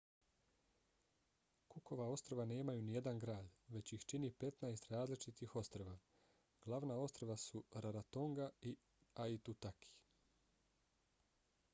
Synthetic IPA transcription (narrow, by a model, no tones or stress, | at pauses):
kuko̞ʋao̞st̪ɾoʋane̞ːmajunije̞d̪anɡɾaːd̪ʋe̞t͡ɕixt͡ʃinipe̞t̪najest̪ɾaːzlit͡ʃit̪ixo̞st̪ɾoʋa | ɡ̥lˠaʋnao̞st̪ɾoʋasuɾaɾat̪oŋɡai | ait̪ut̪akʰi̥